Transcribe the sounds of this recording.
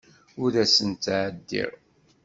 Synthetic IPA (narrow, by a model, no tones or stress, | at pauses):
ʊðæsənt̪ːʕəd̪ːḭɾ